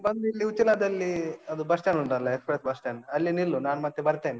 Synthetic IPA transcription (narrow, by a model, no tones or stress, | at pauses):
bɐnd̪ilːiut͡ʃːilad̪ɐlːiɐd̪ubɐsʈjaːnuɳɖɐlːɐekspɾet̪̚bɐsʈaːnɐlːinilːunaːnmɐt̪ːebɐɾt̪eːni